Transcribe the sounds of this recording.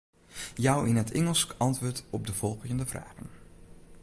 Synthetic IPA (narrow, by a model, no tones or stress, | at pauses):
jɑwɪnɦətʰɛŋəlˠskɑntʋʊːɹtɔb̚dəv̥ɔlˠχəəndəvra̰ːχən